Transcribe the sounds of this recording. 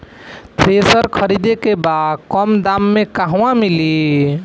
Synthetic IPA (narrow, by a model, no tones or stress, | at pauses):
t̪ɾesəɾkʰəɾid̪ekebad̪kɔmd̪amːekaɦãmili